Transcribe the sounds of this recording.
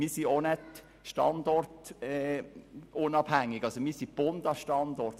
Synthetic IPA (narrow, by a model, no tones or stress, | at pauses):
miːsionɛt | ʃtɑ̰nd̪ɔrtɛ | ʊnɑb̥hæŋːɪɡ̥ɑsomiːsib̥ʊnd̥̪ɑʃtɑnd̪ɔɾt̪